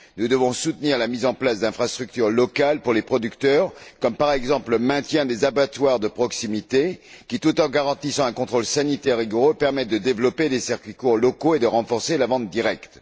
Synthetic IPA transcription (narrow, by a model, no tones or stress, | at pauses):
nud̪əvɔ̃sut̪niʁlamizɑ̃plasd̪ɛ̃fχast̪χyk̚t̪yʁlɔkalpuʁlepχɔd̪ykt̪œʁkɔmpaʁɛɡzɑ̃pləmɛ̃t̪jɛ̃d̪ezabat̪waʁd̪əpχɔksimit̪e | kʲit̪ut̪ɑ̃ɡaʁɑ̃t̪isɑ̃ɛ̃kɔ̃t̪χolsanit̪ɛʁːiɡɔʁopɛʁmɛt̪̚d̪əd̪evlɔpelesɛʁkʲɥikuʁlɔkoed̪əʁɑ̃fɔʁselavɑ̃t̪̚d̪iʁɛkt̪